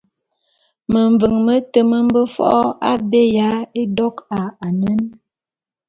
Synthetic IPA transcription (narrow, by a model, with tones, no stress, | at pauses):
mə˨ɱvə˨ŋmə˦tə˨mə˦m̩˦bə˦fɔ̰˦ʔɔ˦a˦be˦ja˨˦e˦dɔ˦ka˨a˨nə˦n